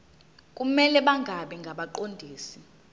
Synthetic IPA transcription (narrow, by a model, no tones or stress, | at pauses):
kʼumɛlɛɓaŋɡʱaɓɛŋɡʱaɓaǃondʱiːsi